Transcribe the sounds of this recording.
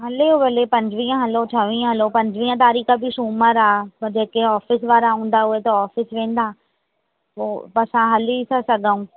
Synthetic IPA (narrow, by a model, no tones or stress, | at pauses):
ɦɐleoʋɐlepɐ̃ɲd͡ʑʋĩːə̃ɦɐloʈʰɐʋĩːə̃ɦɐlopɐ̃ɲd͡ʑʋĩːə̃t̪̬aːɾiːxəbɪʃuːməɾaːpɐɾd͡ʑeːkeɔːfɪsʋaːɾaɦũːn̆d̪aɦuet̪ɐɔːfɪsʋẽːn̆d̪aː | opɐsãɦɐliisʰasɐɡʱaũː